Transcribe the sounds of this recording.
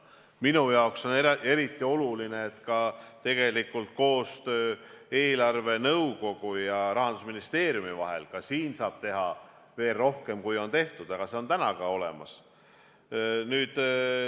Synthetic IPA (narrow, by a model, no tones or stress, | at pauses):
minujɑokso̞nee̞ɾit̪ːˑio̞luline̞ːt̪kɑt̪e̞ɡ̥e̞likːˑult̪̚ko̞ːst̪ø̞ːe̞ːlɑrve̞nɤwko̞ɡ̥ujɑɾɑɦɑnd̪usminist̪e̞ːɾjumivɑ̰ɦḛlkɑsiːnsɑːb̥̚t̪e̞ɦɑ | ve̞ːlro̞hke̞mkujo̞nt̪e̞ht̪ud̪ɑɡ̥ɑse̞o̞nt̪ænɑɡɑo̞lḛmɑ̰s | nyːd̪̥